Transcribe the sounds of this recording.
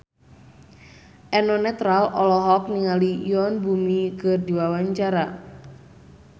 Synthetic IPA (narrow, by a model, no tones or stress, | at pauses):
ʔɛnɔnɛt̪ɾalɔlɔɦɔk̚niŋalijɔnbumikɨrdiwawaɲt͡ʃaɾa